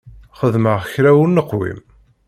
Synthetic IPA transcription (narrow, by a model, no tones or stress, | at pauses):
χəðməʁçɾæwnːəqːwḭm